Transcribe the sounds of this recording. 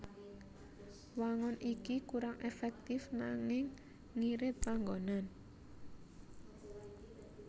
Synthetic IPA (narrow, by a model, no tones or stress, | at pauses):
waŋɔnʔikikuɾaŋʔefɛk̚t̪ɪfnaŋɪŋː | iɾɪt̪̚paŋɡonan